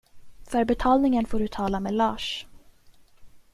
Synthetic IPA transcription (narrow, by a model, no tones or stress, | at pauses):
fœɾbɛt̪ʰɑːlnɪŋənfoːɖɵt̪ʰɑːlamelɑːʂ